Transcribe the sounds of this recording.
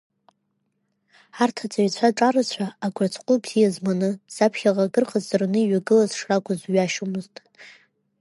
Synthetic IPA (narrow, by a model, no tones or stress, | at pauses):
artʰat͡sʼaɥt͡ɕʷʰaʈ͡ʂʼarɨt͡ɕʷʰaːɡʷat͡sʷʰʼqʷʼʊbz̥ijazmanɨz̥apʰχʲaʁaɡɨrqʼazːarnɨiɥaɡɨlazʂrakʷʰʼazɥaʃomɨztʼ